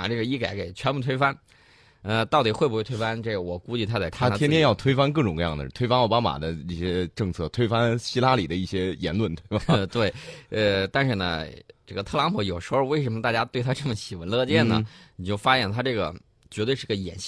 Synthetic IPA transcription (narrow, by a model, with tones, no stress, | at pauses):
ʈ͡ʂɤ˥˩ɡə˩i˥˩ka˨˩˥ɪke˨˩ɪt͡ɕʰɥɛ˧˥npu˥˩t̪ʰwe˥ɪfa˥n | ə˧t̪ɑ˥˩ʊt̪i˨˩xwe˥˩bu˧˥we˥˧t̪ʰɪfa˥nʈ͡ʂe˥˩ɡwɔ˨˩ku˥t͡ɕi˥˩t̪ʰa˥t͡sa˥˩ɪa˥an˥t̪a˥jɛ˥nt̪jɛ˥njɑ˥˩ʊt̪ʰwe˥ɪfa˥nk̬ɤ˥˩ʈ͡ʂʊ˨˩ŋkɤ˧jɑ˥˩ŋd̪ə˩˥˩t̪ʰe˥ɪfa˥nɑ˥˩ʊpa˥ma̰˨˩d̪ə˦i˥˩ɕjɛ˥ʈ͡ʂɤ˥˧ŋt͡sʰɤ˥˩t̪ʰwe˥ɪfa˥nɕi˥la˥li˨˩d̪ə˦i˥˩ɕjɛ˥jɛ̰˧˥nlwə˥˩nt̪we˥˩ɪba˨˩˧t̪we˥˩ɪə˧t̪a˥˧nʂɻ̩˥˩nə̰˩ʈ͡ʂɤ˥˩ɡə˩t̪ʰɤ˥˩lɑ˧˥ŋpʰu˧˥jo˨˩ʊʂɻ̩˧˥xo˧ʊwe˥˩ɪʂ̬ə˧˥mə˧t̪a˥˧˩t͡ɕja˥t̪we˥˩ɪt̪ʰa˥ʈ͡ʂɤ˥˩mə˩ɕi˨˩wə˧˥nlɤ˥˧t͡ɕjɛ˥˩nnə̰˩ni˨˩t͡ɕjo˥˩ʊfa˥ɕjɛ˧˥˩nt̪ʰa˥ʈ͡ʂɤ˥˩ɡə̰˩ | t͡ɕɥɛ˧˥wɪʂɻ̩˥˧˥ə˩˧jɛ̰˨˩nɕ